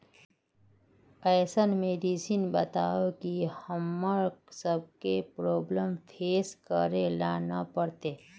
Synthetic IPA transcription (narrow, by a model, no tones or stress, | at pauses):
ɛːsənmeːɖisiːnbət̪aːokihəmːəɾɡsəb̚kepɾoːbləmpʰeːskəɾelaːnapəɽt̪eː